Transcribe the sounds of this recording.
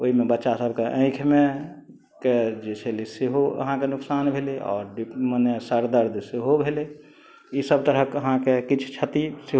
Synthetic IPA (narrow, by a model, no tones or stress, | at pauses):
oɦimebətːʃasəbʱkeʔə̃ɪ̃kʰme | ked͡ʒet͡ʃʰeliseɦoə̰ɦãkenʊksaːnbʱeleɔ̰ːɾɖimənesəɾd̪əɾd̪ʱseɦobʱele | isəb̚t̪əɾəkəɦãkekit͡ʃʰt͡ʃʰət̪iseɦ